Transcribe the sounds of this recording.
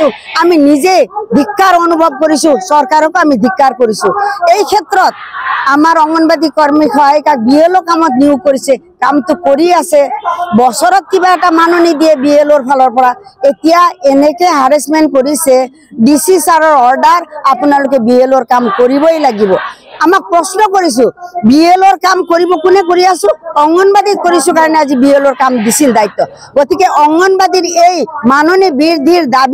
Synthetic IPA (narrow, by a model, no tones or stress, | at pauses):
aminizejd̪ʱikːaɾonubʱɔb̚koɾisũsɔɾkaɾɔkoamid̪ʱikːaɾkoɾisũejkʰet̪ɾɔt̪̚amaɾɔŋɔnbad̪ikɔɹmikʰɔɦajkak̚bielokamɔt̪niukoɾise | kamt̪ʊkoɾiasebɔsɔɾɔt̪̚kibaɛʈamanonid̪iebieloɾpʰalɔɹpɔɾaet̪ijaenekeɦaɾesmenʈkɔɾise | ɖisisaɾɔɾɔɾɖaɾapunalok̬ebielɔɾkamkɔɾibɔjlaɡibɔamak̚pɾɔsnɔkɔɾis̬ũbielɔɾkamkɔɾibɔkunekoɾiasuɔŋɔnbad̪it̪̚kɔɾisukaɾɔnead͡ʒibielɔɾkamd̪isind̪ajt̪ːɔ | ɡɔt̪ikeʔɔŋɔnbad̪iɾejmanonibiɾd̪ʱiɾd̪ab